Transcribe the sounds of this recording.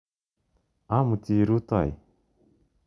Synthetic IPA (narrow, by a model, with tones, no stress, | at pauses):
a˦mu˨ti˨ɾu˦t̪a̰˨j